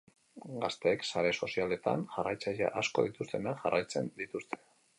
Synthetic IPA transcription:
ɡast̪e̞ːksaɾe̞so̞siale̞t̪a̰nʝarajt͡saʎa̰ʔasko̞̰ðit̪ust̪e̞naʝarʔajt͡se̞̰nd̪it̪ust̪e̥

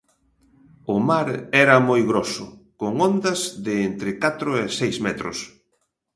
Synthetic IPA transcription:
ʊmaɾɛɾɐmojɣɾosʊ̰koŋɔnd̪ɐzðɪent̪ɾɪkat̪ɾʊesejzmɛt̪ɾʊ̰s

